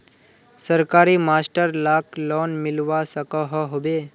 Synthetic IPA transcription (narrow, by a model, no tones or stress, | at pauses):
səɾkaːɾiːmaːsʈəɾlaːklɔːnmɪlʋasəkəɦəɦobe